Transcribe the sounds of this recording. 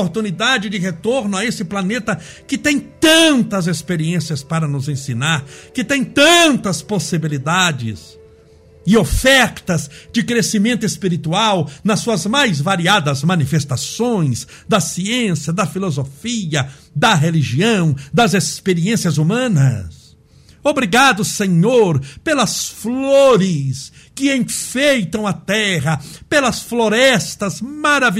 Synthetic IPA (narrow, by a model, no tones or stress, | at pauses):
ɾt̪unid̪ad͡ʒɪd͡ʒɪɦet̪oɾnʊaesɪplanet̪ɐ | kɪt̪ẽj̃t̪ɐ̃nt̪ɐzespeɾiẽsiɐspaɾɐnʊzẽsinaɾkɪt̪ẽj̃t̪ɐ̃nt̪ɐsposibilid̪ad͡ʒɪ̰s | ɪofɛɾt̪ɐzd͡ʒɪkɾesimẽnt̪ʊespiɾit̪uawnɐsuɐzmajzvaɾiad̪ɐzmɐ̃nifest̪asõj̃z | d̪ɐsiẽsjɐd̪ɐfilozofiɐ | d̪ɐɦeliʒiɐ̃w̃d̪ɐzespeɾiẽsiɐzumɐ̃nɐ̰s | obɾiɡad̪ʊsẽɲoɾpelɐsfloɾɪs | kɪẽj̃fejt̪ɐ̃w̃ɐt̪ɛɦɐpelɐsfloɾɛst̪ɐzmaɾavi